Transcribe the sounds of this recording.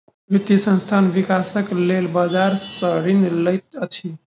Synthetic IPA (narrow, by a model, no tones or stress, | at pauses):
bʱit̪isə̃nst̪ʰanʋikasəklelbad͡ʒaɾsəɾinləjt̪ət͡ʃʰi